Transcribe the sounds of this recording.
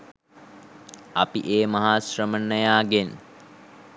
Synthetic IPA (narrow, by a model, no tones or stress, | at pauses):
ɐpḭʔeːmaɦaːsrəmənːəjaːɡen